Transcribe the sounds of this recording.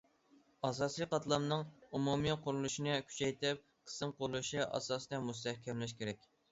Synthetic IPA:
ɑs̬ɑsiqɑt̪lˠɑmnɨŋumumiqʰʊɾulˠuʃinɨkʲʰy̥t͡ʃʰɛjt̪ɪp̚ | qʰə̥sɨmqʰolˠuʃiʔɑ̰sɑsd̪ɛmust̪ɛhkʲʰɛmlɪʃ̬kʲʰeɾɛkʲ

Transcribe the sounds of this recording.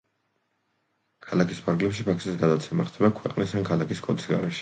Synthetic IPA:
kʰalˠakʰispʰaɾɡlɛpʃipʰaksisɡad̪at̪sʰɛmaχt̪ʰɛbakʰwɛqʼnisankʰalˠakiskʼɔd̪ʰʼisɡa̰ɾɛʃɛ̥

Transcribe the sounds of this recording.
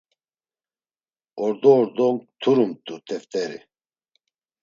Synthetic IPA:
ɔɾd̪ɔːɾd̪ɔmt̪ʰuɾumt̪ʼut̪ʰɛft̪ʼɛɾḭ

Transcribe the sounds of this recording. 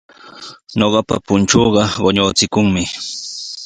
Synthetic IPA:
ɲoɢɑpa̰pʊnt͡ʃoːɢɑɢoɲot͡sɪkʊŋmɪ

